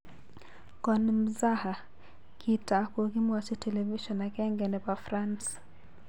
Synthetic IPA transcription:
kɔnim̩zaha | kʰitakuɣimasitʰɛlɛviʃɔnakɛŋɡɛnɛpafɾans

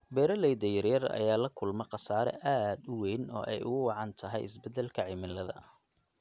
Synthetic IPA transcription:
bɛːɾɐlɛjd̪ɛjɐrjɐrɐ̰jaːlɐkʰʊlmɐqɑsaːɾɛ̰ʔaːd̪ʊwejnɔ̰ːʔɛjʔʊɣʊwɑʕɑnt̪ʰɐɦɛ̰jɪ̰sbɛd̪ɛlkʰɐʕɪmɪlːɐðɐ

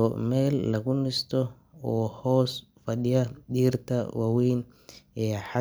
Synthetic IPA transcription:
ɔmɛːlːɐɣʊnɪst̪ʰɔ | ɔːhɔːs | fɐɗɪjɐd̪iːrt̪ʰɐwɑwiːn | ɛːħɑ

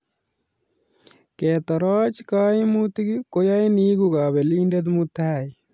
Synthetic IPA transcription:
keːt̪ɐɾaːt͡ʃkaːimut̪iɡikojainiːɡuɡaːbeliːɳɖed̪mut̪ʰaːj

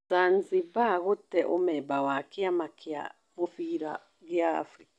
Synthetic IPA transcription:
t͡sant͡sibaɣut̪eʔo̰mebawakiamakʰia̰ | mufiɾa̰ | ɡia̰fɾika

